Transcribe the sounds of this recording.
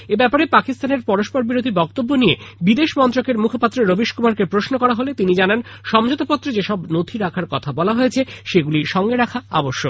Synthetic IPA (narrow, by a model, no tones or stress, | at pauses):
ebɛpaɾepakist̪aneɾpɔɾoʃpoɾbiɾod̪ʱibɔkt̪obːonijebid̪eʃmɔnt̪ɾokeɾmukʰopat̪ːɾoɾobiʃkomaɾkepɾosnokɔɾaɦolet̪inid͡ʑananʃɔmd͡ʑot̪opɔt̪ːɾod͡ʑeʃɔbnot̪ʰiɾakʰaɾkɔt̪ʰabɔlaɦoet͡ɕʰeʃeɡuliʃɔŋɡeɾakʰaa̰boʃːo